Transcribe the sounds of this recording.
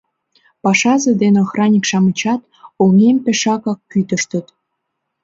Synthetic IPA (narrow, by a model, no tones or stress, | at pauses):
pɑʃɑzĕd̪enxrɑnʲikʃɑmət͡ɕɑt̪ | oŋempeʃɑkɑkːyt̪ə̆ʃt̪ə̆t̪